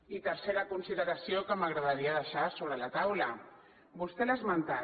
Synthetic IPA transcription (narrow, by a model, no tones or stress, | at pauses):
it̪əɾseɾəkunsiðəɾasiokəmaɣɾəðaɾiaðəʃasoβɾəlat̪awlə | bust̪ɛləzmənt̪a